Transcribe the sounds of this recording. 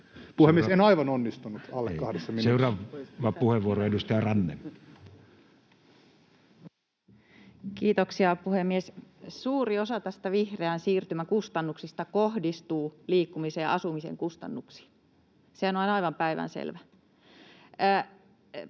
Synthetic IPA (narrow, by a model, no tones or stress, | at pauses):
puhemiesenɑiʋɑnonːist̪unut̪ɑlːekːɑhdesːɑmiseurɑːʋɑpuheʋːuoroedust̪ɑjɑrɑnːḛn | kiːt̪oksiɑpuhemːiessuːriosɑt̪æst̪æʋihreænsiːrt̪ymækust̪ɑnːuksist̪ɑkohdist̪uːliːkːumiseːʔɑ̰sumisḛŋkust̪ɑ̰nːuksi̥ | seænoɑnɑiʋɑmpæiʋæ̰nsḛlʋæ